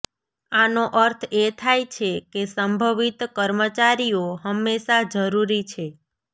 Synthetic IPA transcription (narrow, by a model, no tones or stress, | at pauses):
anoʔəɾt̪ʰet̪ʰajt͡ʃʰekesəmbʱəʋit̪kəɾmət͡ʃaɾijoɦəmːeʃad͡ʒəɾuɾit͡ʃʰe